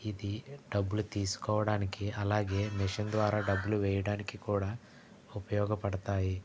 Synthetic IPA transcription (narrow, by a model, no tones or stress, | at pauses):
id̪iɖɐbːulut̪iːsi̥kɔːʋɐɽaːnikeɐlːaːɡemiʃɐnd̪ʋaːɾɐɖɐbuluʋeːjɐɽaːnikekuːɽɐ | upɐjɔːɡɐpɐɽt̪aːji